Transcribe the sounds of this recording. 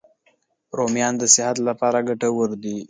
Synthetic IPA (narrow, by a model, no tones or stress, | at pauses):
ɾomjɑnd̪əsɪhat̪lapɑɾaɡaʈawəɾd̪i